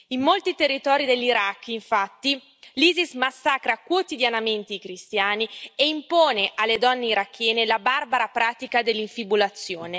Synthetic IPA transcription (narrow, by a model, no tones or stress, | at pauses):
imːolt̪it̪erːit̪ɔːɾid̪eʎːiɾakːiɱfat̪ːi | liːzismasːakɾakwot̪id̪janament̪eikɾist̪jaːnieimpoːneʔalːed̪ɔnːeiɾakːjɛːnelabarbaɾapɾaːt̪ikad̪elːiɱfibulat̪sːjoːne